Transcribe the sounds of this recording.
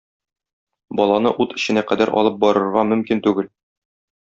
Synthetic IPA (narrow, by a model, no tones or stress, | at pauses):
bɒlˠɑnɤʔut̪ɘ̆ɕɘ̆næqæd̪æɾʔɒ̰lˠɤp̚bɒɾɤ̆ɾʁɑmɵ̆mkint̪ʉɡɘl